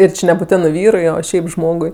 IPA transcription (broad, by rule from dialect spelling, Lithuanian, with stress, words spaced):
ɪr ˈt͡ʃʲɪ nʲɛbuːˈtʲæːnɜ ˈʋʲiːrʊɪ oː ˈʃʲɛɪp ˈʒmoːɡʊɪ